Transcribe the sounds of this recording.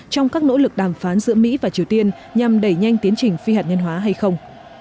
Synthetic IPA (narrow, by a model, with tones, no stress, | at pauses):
t͡ɕɔ˧wŋ͡mkaː˦˥k̚no̰˧˥lɨ˨˩k̚ɗaː˧˩mfaː˨˦nzɨ̰˧˥əmḭ˧˥vaː˨˩t͡ɕi˨˩əwt̪i˧ən | ɲa˨˩mɗə˧˩jɲa˧jŋt̪i˨˦ənt͡ɕï˨˩ŋ̟fi˧haː˨˩t̚ŋə˧nɦwaː˨˦ɦa˧jxə˧wŋ͡m